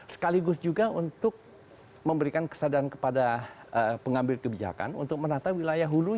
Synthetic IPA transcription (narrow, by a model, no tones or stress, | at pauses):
sə̥kaliɡʊsd͡ʒuɡaunt̪ʊk̚ | məmbəɾikankə̥sadaɾankə̥padaəpəŋambɪlkəbid͡ʒa̰ka̰nṵnt̪ʊk̚mənat̪awilajaɦulu